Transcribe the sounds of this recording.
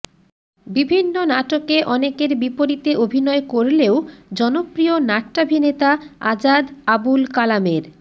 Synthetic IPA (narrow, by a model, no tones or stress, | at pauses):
bibʱinːonaʈokeʔɔnekeɾbipoɾit̪eʔobʱinɔekoɾleod͡ʑɔnopɾionaʈʈabʱinet̪aa̰d͡ʑad̪abulkalameɾ